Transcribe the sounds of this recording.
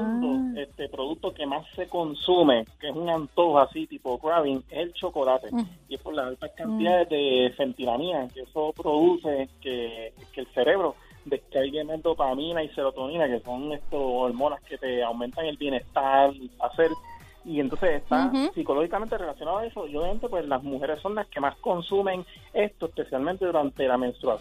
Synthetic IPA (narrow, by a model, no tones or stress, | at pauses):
t̪oest̪e̞pɾo̞ðuk̚t̪oke̞masːe̞ko̞nsume̞keesuŋant̪o̞hasit̪ipo̞kɾaβiŋe̞selt͡ʃo̞ko̞lat̪e̞iespoɾlasalt̪ahkant̪iðaðeðe̞se̞nt̪ilamĩnakeeso̞pɾo̞ðuse̞kekelse̞ɾe̞βɾo̞ | d̪e̞skalɡe̞mazd̪o̞pamĩnaise̞ɾo̞t̪o̞nĩnake̞so̞ŋest̪oolmo̞naske̞t̪e̞awment̪aŋe̞lbje̞ne̞st̪aɾelpase̞ɾ | ient̪onsesest̪asiko̞lo̞hikament̪e̞re̞lasjonaðoae̞so̞ioβjame̞nt̪opweslasmuhe̞ɾesːo̞nlaske̞masko̞nsumẽ̞ŋ | e̞st̪oespe̞sjalmẽnt̪e̞ðuɾant̪e̞lame̞nst̪ɾua